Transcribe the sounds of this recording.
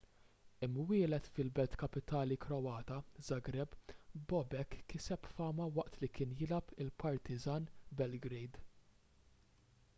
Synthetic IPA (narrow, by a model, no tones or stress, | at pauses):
ɪmːwɪːlɛt̪fɪlbɛlt̪kɐpɪt̪ɐːlikɾɔwɐːt̪ɐzɐɡɾɛbbɔbɛkːɪsɛpfɐːmɐwɐʔt̪likɪːnjɪlɐpʰɪlpɐɾt̪ʰɪzɐːnbɛlɡɾɛjd̪